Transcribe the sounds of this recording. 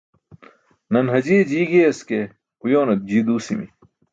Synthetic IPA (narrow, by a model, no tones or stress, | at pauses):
nɐnɦɐd͡ʑiːd͡ʑiːɡeɐske | ujoːnɐt̪̚d͡ʑiːd̪uːsimḭ